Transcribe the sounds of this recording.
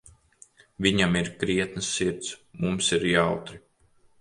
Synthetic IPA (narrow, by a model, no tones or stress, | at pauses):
viɲamiɾkɾiɛt̪nɨsːiɾt̪smumsiɾjawt̪ɾi